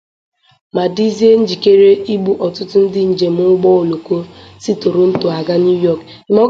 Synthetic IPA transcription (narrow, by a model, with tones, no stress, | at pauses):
ma˨di˦zi˦e˦n̩˦d͡ʒi˨ke˦ɾe˦ʔi˦ɡ͡bu˦ʔɔ˨tʊ˦tʊ˦n̩˦dɪ˦n̩˨d͡ʒe˨m˦ʊ˦ɡ͡bɔ˦o˨lo˨ko˦si˦to˨ɾo˦n̩˦to˨a˨ɡa˦n˦u˦jɔ˦˨k | ɪ˨mɔ˦